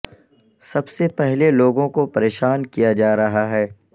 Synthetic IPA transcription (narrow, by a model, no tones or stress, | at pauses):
sɐbsepɛɦleloːɡõkopɐɾeːʃaːnkijad͡ʒaːɾɐɦaɦɛː